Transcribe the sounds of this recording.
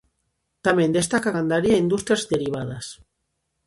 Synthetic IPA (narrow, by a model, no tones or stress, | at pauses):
t̪amẽnd̪est̪akakand̪aɾiaind̪ust̪ɾiazd̪eɾiβ̞aðas